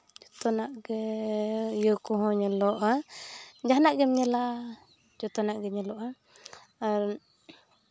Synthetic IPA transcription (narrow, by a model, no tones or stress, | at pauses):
d͡ʒɔt̪ɔnaʔɡɛ | jəkɔɦɔ̃ɲɛlɔʔa | d͡ʒanaʔɡɛmɲɛla | d͡ʒɔt̪ɔnaʔɡɛɲɛlɔʔa | aɾ